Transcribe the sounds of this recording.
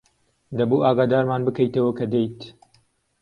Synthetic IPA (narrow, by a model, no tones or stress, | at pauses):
d̪ɐbuaːɡaːd̪aːɾmaːnbɨkɐjt̪ɐwɐkʰɐd̪ejt̪